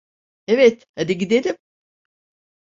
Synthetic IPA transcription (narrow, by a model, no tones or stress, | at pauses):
evɛt̪had̪iɟid̪elʲim